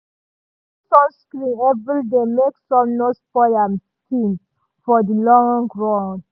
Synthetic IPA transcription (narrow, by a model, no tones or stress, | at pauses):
sɔ̃nskɾĩnɛvɹildemeksɔ̃mnospɔlãm | tĩn | fɔdilɔ̃ŋɡɹɔ̃ŋ